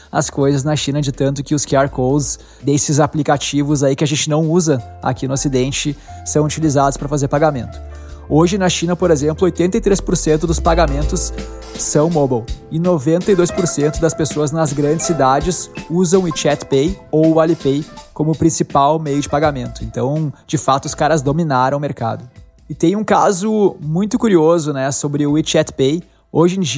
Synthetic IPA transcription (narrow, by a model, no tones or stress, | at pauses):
ɐ̰skojzɐznɐʃĩnɐd͡ʒɪt̪ɐ̃nt̪̬ʊkɪʊskiaɾkowz | d̪esɪzaplikat͡ʃivʊzaikɪɐʒẽnt͡ʃɪnɐ̃w̃uzɐ | a̰kinʊosid̪ẽnt͡ʃɪ | sɐ̃w̃ut͡ʃilizad̪ɐspɾɐfazeɾpaɡamẽnt̪ʊ̥ | oʒɪnɐʃĩnɐpoɾezẽmplʊojt̪ẽnt̪ɐijt̪ɾespoɾsẽnt̪ʊd̪ʊspaɡamẽnt̪ʊsː | ɐ̃w̃mɔbɐwɪnovẽnt̪ɐɪd̪ojspoɾsẽnt̪ʊd̪ɐspesoɐznɐzɡɾɐ̃nd͡ʒɪsːid̪ad͡ʒɪsuzɐ̃w̃it͡ʃɛt̪pejowalipejkõmʊpɾĩsipawmejʊd͡ʒɪpaɡamẽnt̪ʊḛ̃nt̪ɐ̃w̃d͡ʒɪfat̪ʊʊskaɾɐzd̪ominaɾɐ̃w̃ʊmeɾka̰d̪ʊ | ɪt̪ẽj̃ũkazʊmũj̃t̪ʊkuɾiozʊnɛsobɾɪʊit͡ʃɛt̪pej | oʒẽd͡ʒi